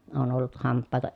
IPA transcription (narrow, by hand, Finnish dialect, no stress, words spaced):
oːn olːut hɑmpːɑːtoʔ